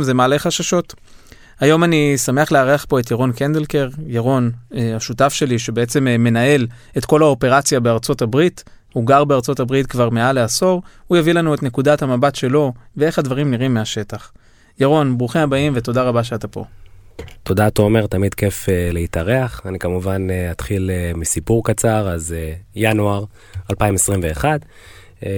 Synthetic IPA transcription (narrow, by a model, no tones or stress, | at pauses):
mzemaaleχaʃaʃo̞t | ajo̞manisame̞aχleaʁeaχpo̞et̪̬jaʁo̞nkend̪elke̞ʁjaʁo̞naʃutafʃe̞liʃebeet͡se̞mme̞nae̞l | e̞tko̞laope̞ʁat͡sjabe̞aʁt͡so̞tabʁit | huɡaʁbeaʁt͡so̞tabʁitkvaʁmealeaso̞ʁujavilanuetne̞kudathamabatʃe̞lo̞vee̞χad̪vaʁimniʁimːeaʃe̞taχ | jaʁo̞nbʁuχemabaimve̞t̪o̞daʁabaʃeatapo̞̰ | t̪o̞daːt̪oome̞ʁt̪amid̪ke̞feleitaʁeaχanikamuvaneat̪χilemisipuʁkat͡saʁazejanuaʁ | alpaimesʁimveːχad